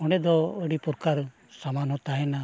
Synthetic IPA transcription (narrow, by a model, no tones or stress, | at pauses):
ɔnɛd̪ɔəɽipuɾkaɾ | samanɦɔt̪aɦɛna